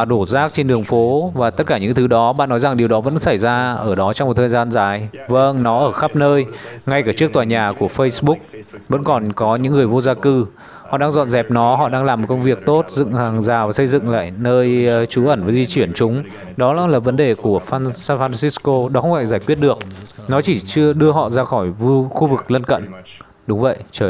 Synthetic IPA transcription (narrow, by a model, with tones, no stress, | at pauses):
a˨˩ɗo˧˩zaː˦˥k̚t͡ɕe˧nɗɨ˨˩əŋfo˨˦vaː˨˩t̪ə˦˥t̚kaː˧˩ɲɨ̰˧˥ŋt̪ʰɨ˨˦ɗɔ˨˦ɓa̰ː˧˨nːɔ˨˦jza˨˩ŋɗi˨˩əwɗɔ˨˦və̰˧˥nsa˧˩jzaː˧ʔəː˧˩ɗɔ˨˦t͡ɕɔ˧wŋ͡mm˨˩t̪ʰəː˨˩jzaː˧nzaː˨˩j | və˧ŋnɔ˨˦ʔəː˧˩xa˦˥p̚nəː˧jŋa˧jkaː˧˩t͡ɕɨ˦˥ək̚t̪waː˨˩ɲaː˨˩ku˧˩əfə˧jsɓʊ˦˥k̚və̰˧˥nkɔ˨˩nkɔ˨˦ɲɨ̰˧˥ŋːɨ˨˩əjvo˧zaː˧kɨ˧ | hɔ̰˧˨ɗaː˧ŋzɔ̰˧˨nzɛ˨˩p̚nɔ˨˦hɔ̰˧˨ɗaː˧ŋlaː˨˩mːo˨˩t̚kə˧wŋ͡mvi˨˩ək̚t̪o˦˥t̚zɨ̰˧˨ŋhaː˨˩ŋzaː˨˩vaː˨˩sə˧jzɨ̰˧˨ŋla̰ː˧˨jnəː˧jt͡ɕu˨˦ʔə˧˩nvaː˨˩zi˧t͡ɕi˧˩ənt͡ɕʊ˨˦ŋ͡m | ɗɔ˨˦la˧˥laː˨˩və˨˦nɗe˨˩ku˧˩əfaː˧nsaː˧nfaː˧nsi˦˥sko˧ɗɔ˨˦xə˧ŋ͡mfa̰ː˧˩jzaː˧˩jkwi˦˥ət̚ɗɨ˨˩ək̚nɔ˨˦t͡ɕi˧˩t͡ɕɨ˧əɗɨ˧əɦɔ̰˧˨zaː˧xɔ˧˩jvu˧xu˧vɨ˨˩k̚lə˧nkə̰˧˨n | ɗʊ˨˦ŋ͡mvə̰˧˨jt͡ɕəː˧˨˩